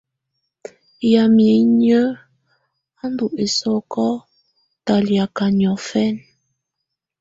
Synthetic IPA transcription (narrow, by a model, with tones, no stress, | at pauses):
ja˨mje˨ɲə˦ | a˦n̩˦du˨ʔe˨sɔ˦˨kɔ˦ | ta˨lja˨ka˨ɲɔ˨fɛ˦n